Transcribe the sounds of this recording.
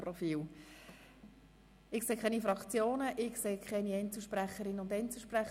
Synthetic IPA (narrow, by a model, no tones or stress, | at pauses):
prɔfiːl | ɪkseːkχɛnifɾɑkt͡sjoːnəʔɪkseːkʰχɛniɛɪnt͡sl̩ˠʃpræχəɾɪnəʊndɛɪnt͡sl̩ʃpræχ